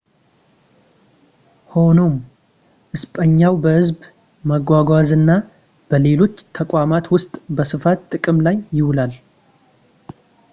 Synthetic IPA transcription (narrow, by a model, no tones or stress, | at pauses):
ho̞no̞m | ʔɨspʼəɲːawbəhɨzb | məɡʷaɡʷazɨnːa | b̥əle̞lo̞t͡ʃːt̪ʰəkʷʼamat̪wʊst̪ʼbəsɨfat̪t̪ʼːɨkʼɨmlajːɪwlal